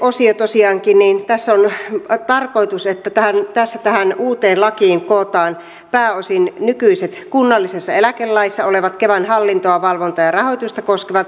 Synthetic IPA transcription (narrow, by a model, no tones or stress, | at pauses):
ʔosiot̪osiɑːŋkinniːnt̪æsːont̪ɑrkoit̪uset̪ːæt̪æhænt̪æsːæt̪æhænuːt̪eːlɑkiːŋkoːt̪ɑːn | pæːosinnykyiset̪kunːɑlːisesːɑelækelːɑisːɑoleʋɑt̪keʋænhɑlːint̪oɑʋɑlʋont̪ɑjɑrɑhojt̪ust̪ɑkoskeʋɑt̪